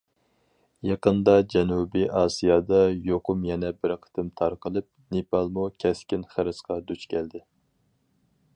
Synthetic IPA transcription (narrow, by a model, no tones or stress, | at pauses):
jɑqənd̪ɑd͡ʒɛnubiʔɑːsijɑd̪ɑjoqʊmjɛnɛbɪɾqʰə̥t̪ʰɨmt̪ʰɑɾqəlˠɨp̚nepɑlˠmukʲʰɛskʲinχæɾɨsqɑd̪yt͡ʃkʲʰɛld̪ɪ